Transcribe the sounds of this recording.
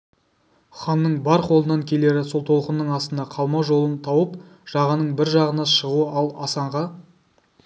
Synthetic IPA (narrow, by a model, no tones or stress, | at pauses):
χɑnːəɴbɑɾqʰo̞lˠənɑŋkʲʰe̞le̞ɾɪso̞lˠt̪ʰo̞lˠqənːəɴɑst̪ənd̪ɑqʰɑlˠmɑʒo̞lˠənt̪ʰɑwəp | ʒ̥ɑʁɑnəɴbɪɾʒɑʁənɑʃəʁuəʔɑlˠɑsɑɴʁɑ